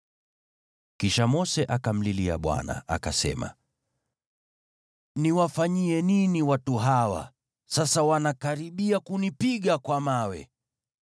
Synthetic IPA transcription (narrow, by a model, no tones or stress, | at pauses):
kiʃamɔsɛʔakam̩lilia̰ɓwa̰na̰ʔa̰kasɛ̰ma̰ | niwafaɲiɛniniwatuɦawa̰ | sasawanakaɾiɓiakunipiɠakwamawɛ̰